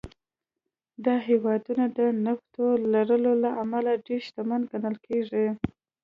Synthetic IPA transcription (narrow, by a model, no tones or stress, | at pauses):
d̪ɑɦewɑd̪unad̪ənaxt̪olaɾəlolaʔamalaɖeɾʃt̪amanɡanəlkʰeʐi